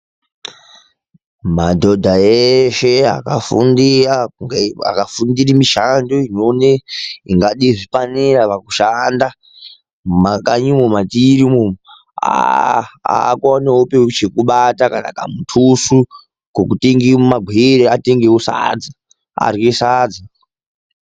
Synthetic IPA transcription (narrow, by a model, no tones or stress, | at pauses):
madʱo̞dʱaeʃea̰kafṵndiɾauŋɡa̰kafundirimiʃandoinoneiŋɡaɗiʐipaniraʋakuʃanda | makaɲimomatiɾimo | a̰ | a̰kwaneopewiut͡ʃekuɓatakana̰ka̰mutʰusu | kokuteŋɡimaɡʱweɾeateŋɡewusa̰d͡zi | a̰rwesad͡zi